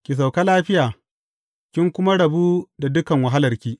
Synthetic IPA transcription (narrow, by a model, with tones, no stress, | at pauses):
kʲɪ˨s̬a˨wka˦laː˦ɸɪ˦jaː˨ | kʲɪ˦ŋkʷʊ˦ma˦ɽɐ˨buː˦da˨dʊ˦kɐ˨ŋwɐ˨ɦa˦lɐ˨rkʲiː˦